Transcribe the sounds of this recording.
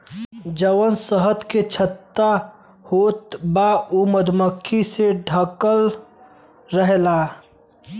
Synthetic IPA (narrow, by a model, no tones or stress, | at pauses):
d͡ʒəʋənsəɦət̪ket͡ʃʰət̪ːa | hoːt̪bauməd̪ʱməkʰːiseɖʱəkəl | ɾəɦela